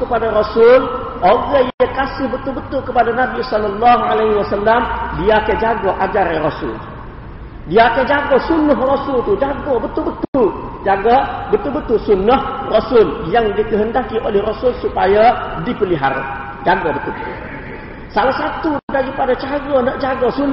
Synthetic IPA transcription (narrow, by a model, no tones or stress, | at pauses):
kəpadaɾosʊl | oɡajakasɪhbət̪ʊlbət̪ʊlkəpadanabisɔlːalːaɦualaɦiwasalːamdiakad͡ʒaɡaʔad͡ʒaɾarosʊ̰l | diaakad͡ʒaɡasunəɦrosʊlt̪ud͡ʒaɡobət̪ubət̪ud͡ʒaɡabət̪ulbət̪ʊlsunəhrosʊljaŋdikəɦəndakiʔolɛhrosʊlsupajadipəliɦa̰ɾa̰ | d͡ʒaɡabət̪ubt̪ṵ | salahsat̪udaɡipadat͡ʃaɡənəʔd͡ʒaɡasun